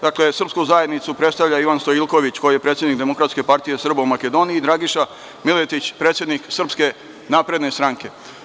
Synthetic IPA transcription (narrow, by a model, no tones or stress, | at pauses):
d̪akle̞sr̩pskuzajed̪nit̪supɾe̞t̪st̪aʋʎʲaiʋanst̪oilˠkoʋit͡ɕko̞jije̞pɾet̪sʲjed̪nik̚d̪e̞mo̞kɾat̪ske̞paɾt̪ije̞sr̩baumake̞d̪o̞niiːd̪ɾaɡiʃa | milet̪it͡ɕpɾet̪sʲjed̪niksr̩pske̞ | naːpɾe̞d̪ne̞st̪ɾaŋke̞